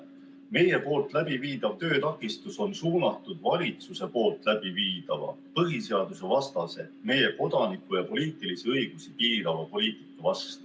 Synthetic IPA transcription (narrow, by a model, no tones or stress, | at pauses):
me̞je̞po̞ːlt̪ˑlæbiviːd̪̥ɑvt̪ø̞ːt̪ɑkːˑist̪uso̞nsuːnɑt̪ːˑud̪̥vɑlʲit̪suse̞po̞ːlt̪ˑlæb̥iviːd̪̥ɑvɑ̰ | pɤɦise̞ɑd̪̥use̞vɑst̪ɑse̞me̞je̞ko̞d̪̥ɑnikːˑujɑpo̞liːt̪ˑilisiɤjɡ̥usipiːd̪ɑvɑpo̞lʲiːt̪i̥kˑːɑvɑst̪u